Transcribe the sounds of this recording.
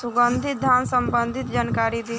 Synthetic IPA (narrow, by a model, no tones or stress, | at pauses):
suɡənd̪ʱit̪̚d̪ʱansəmbənd̪ʱit̪d͡ʒankaɾid̪e